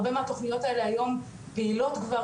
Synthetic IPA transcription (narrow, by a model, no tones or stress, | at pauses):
bemeat̪oχnijo̞taeleajo̞m | peilo̞t̪ɡva